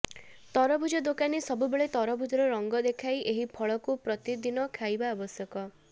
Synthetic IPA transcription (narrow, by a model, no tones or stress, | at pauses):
t̪ɔɾɔbʱud͡ʒɔd̪okanisɔbubeɭet̪ɔɾɔbʱud͡ʒɔɾɔɾɔŋɡɔd̪ekʰajeɦipʰɔɭɔkupɾɔt̪id̪inɔkʰajbaːbɔsjɔkɔ